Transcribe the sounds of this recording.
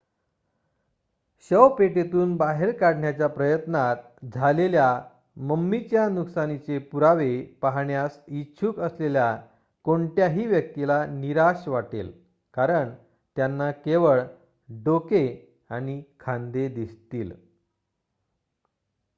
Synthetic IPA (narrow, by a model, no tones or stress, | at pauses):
ɕəʋpeʈet̪uːnbaɦeɾkaɽɳjat͡ɕjapɾəjət̪nat̪̚ | d͡zʱalelja | məmːit͡ɕjanuksanit͡sepuɾaʋepaɦɳjasiɕʰukəslelja | koɳʈjaɦiːʋjək̚t̪ilaniɾaɕʋaʈḛl | kaɾəɳ | t̪janːakeʋəɭ | ɖoke | aɽ̃ikʰãnd̪ed̪ist̪iːl